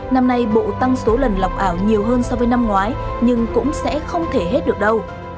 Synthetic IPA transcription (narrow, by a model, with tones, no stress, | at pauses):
na˧mna˧jɓṵ˧˨t̪a˧ŋso˨˦lə˨˩nla˨˩wk͡p̚ʔaː˧˩wɲi˨˩əwɦəː˧nsɔ˧wvəː˨˦jna˧mŋwaː˨˦jɲɨ˧ŋkʊ̰˧˥ŋ͡msɛ̰˧˥xə˧wŋ͡mt̪ʰe˧˩ɦe˦˥t̚ɗɨ˨˩ək̚ɗə˧w